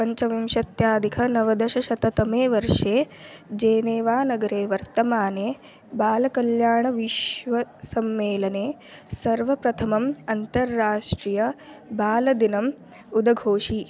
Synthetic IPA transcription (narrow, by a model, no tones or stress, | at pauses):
pɐɲt͡ʃɐʋimʃɐt̪jaːd̪ikʰɐnɐʋɐd̪ɐʃɐʃɐt̪ɐt̪ɐmeːʋɐɾʂeːd͡ʒeːneːʋaːnɐɡɐɾeːʋɐɾt̪ɐmaːneː | baːlɐkɐljaːɳɐʋiʃʋɐsɐmːeːlɐneː | sɐɾʋɐpɾɐt̪ʰɐmɐmɐnt̪ɐɾːaːʂʈɾijɐbaːlɐd̪inɐm | ud̪ɐɡʱoːʂi